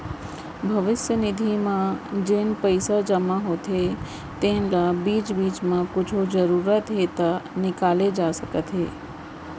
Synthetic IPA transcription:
bʱɐʋɪsjənɪd̪ʱimãd͡ʒenpəɪsad͡ʒəmaɦoːt̪ɦe | t̪ẽnlabiːt͡ʃbiːt͡ʃmãkʊt͡ʃʰod͡ʒəɾuːɾət̪ɦet̪anɪkaːled͡ʒaːsəkət̪ɦḛː

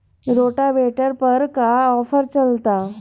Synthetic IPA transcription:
ɾoʈabeʈəɾpəɾkaɔfəɾt͡ɕəlt̪a

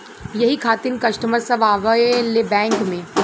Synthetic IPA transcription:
jɐɦikʰaːt̪ɪnkɐʃʈəməɾsɐʋaːʋəlebɛ̃ːŋkmẽː

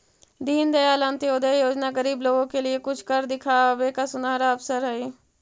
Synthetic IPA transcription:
d̪iːnd̪əjaːlãːnt̪eʊd̪ejoːd͡ʒnaːɡəɾiːbloːɡõːkelɪekʊt͡ʃʰkəɾd̪ɪkʰaːbeːkasʊnaːɾaəpsəɾɦɛeː

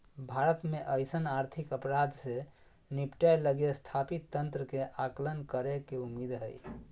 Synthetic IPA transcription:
bʱaɾət̪meʔəjsənaɾt̪ʰikəpɾad̪ʱse | nipʈajləɡest̪ʰapit̪ːənt̪ɾəkeʔaklənkəɾekeumːid̪ɦə̰j

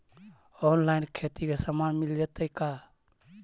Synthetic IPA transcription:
oːnlaːɪnkʰeːt̪iːɡɛːsəmaːnmɪld͡ʒet̪əikaː

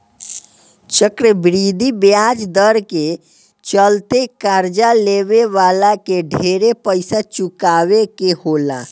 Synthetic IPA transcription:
t͡ʃəkɾəbɾid̪ʱibjad͡ʒd̪əɾke | t͡ʃəlt̪ekaɾd͡ʒaleʋeʋaːlakeɖʱeɾepəɪsat͡ʃukaːʋekehola

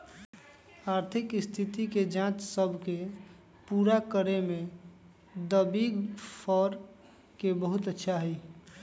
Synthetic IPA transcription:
aːɾt̪ʰikst̪ʰit̪iked͡ʒãt͡ʃsəbʱke | puɾakəɾemẽ | d̪əbiɡpʰɔɾ | kebəɦut̪ətːʃʰaɦəi

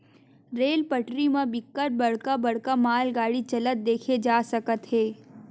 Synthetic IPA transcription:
ɾeːlpəʈɾimãbɪkːəʈ̚bɐɽ̤kabɐɽ̤kamaːlɡaːɽit͡ʃɐlət̪̚d̪eːkʰed͡ʒaːsɐkət̪ɦeː

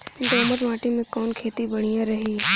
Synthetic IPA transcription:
ɪ̃nd̪oməɾʋãːʈimẽkɔːnkʰeːt̪ibɐɽ̤̃ijãɾɐɦiː

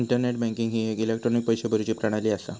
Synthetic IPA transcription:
iɳʈəɾneʈ̚bɛ̃ŋkiŋɡɦiːekilek̚ʈɾonik̚pəjɕebəɾut͡ɕiːpɾaɽ̃aliːasa

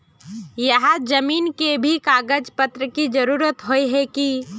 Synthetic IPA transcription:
jəɦad͡ʒəmiːnkebʱikaːɡəd͡ʒpət̪ɾəkid͡ʒəɾuːɾət̪ɦoiɦɛki

